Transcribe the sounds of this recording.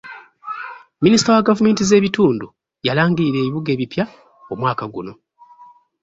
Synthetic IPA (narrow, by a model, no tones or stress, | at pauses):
minisi̥tawaɡavume̞ːntize̞ːβituːndu | jalaːŋɡiiɾe̞ːβiβuɡe̞ːβipja | omwaːkaɡuno̞